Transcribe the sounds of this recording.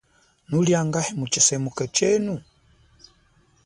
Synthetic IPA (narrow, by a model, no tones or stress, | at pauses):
nuljaŋɡahɛmut͡ʃisɛmukat͡ʃɛnu